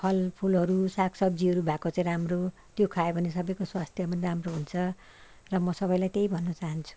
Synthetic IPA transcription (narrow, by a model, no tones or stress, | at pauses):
pʰʌlpʰulɦʌɾusakʰsʌb̚d͡ziɦʌɾubʱakot͡sãĩɾamro | t̪jokʰaebʱʌnesʌbʌjkoswast̪ʰjʌmʌnramroɦunt͡sʰʌ | rʌmʌsʌbʌjlajt̪ejbʱʌnːʌt͡saɦʌnt͡sʰu̥